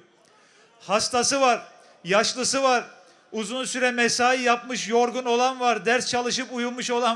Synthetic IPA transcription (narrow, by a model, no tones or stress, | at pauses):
hast̪asɯvaɾ | jaʃlˠɯsɯvaɾ | uzunsyɾɛmɛsaːijapmɯʃjoɾɡuno̞lˠanvaɾd̪æɾst͡ʃʰalˠɯʃɯpujulˠmuʃo̞lˠan